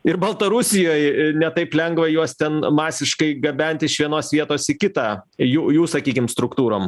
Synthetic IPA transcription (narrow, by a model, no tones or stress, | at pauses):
ɪɾbɐlˠt̪ɐɾʊsʲɪjoːjnʲɛt̪ɐɪplʲɛŋɡʋɐjuɔst̪ʲɛnmɑːsʲɪʃkɐɪɡɐbʲɛnʲt̪ʲɪʃʋʲiɛnoːsʋʲiɛt̪oːsɪkʲɪt̪ɑːjuːjuːsɐkʲiːkʲɪmst̪ɾʊkt̪uːɾoːm